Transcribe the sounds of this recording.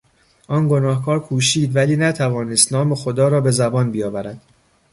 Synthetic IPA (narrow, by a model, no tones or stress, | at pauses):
ʔɒːnɡo̞nɒːhkʰɒːɾkʰuːʃiːd̪væliːnæt̪ʰævɒːnest̪nɒːme̞xo̞d̪ɒːɾɒːbe̞zæbɒːnbijɒːvæɾæd̪̥